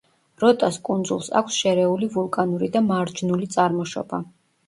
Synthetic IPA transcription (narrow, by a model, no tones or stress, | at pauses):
ɾɔt̪ʼaskʼund̪zulˠsa̰kʷʰsʃɛɾɛulivulˠkʼanuɾid̪amaɾd͡ʒnulit̪sʼaɾmɔʃɔ̰ba